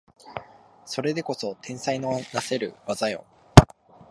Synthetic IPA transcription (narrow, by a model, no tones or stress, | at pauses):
so̞ɾe̞d̪e̞ko̞so̞t̪ʰẽ̞ɰ̃sainonase̞ɾɯ̟βazajo̰